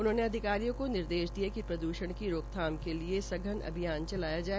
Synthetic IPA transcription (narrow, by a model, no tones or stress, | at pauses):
ʊnɦõːneɐd̪ʱɪkaːɾijõkonɪɾd̪eːʃd̪iakipɾɐd̪uːʃəɽ̃kiɾoːkt̪ʰaːmkeliesɐɡʱənɐ̰bʱijaːnt͡ʃɐlaːjad͡ʒaːe